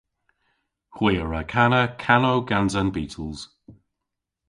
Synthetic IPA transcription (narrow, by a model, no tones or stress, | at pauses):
hwɪːəɹəkʰanəkʰanowɡanzənbiːtʰəlˠz̥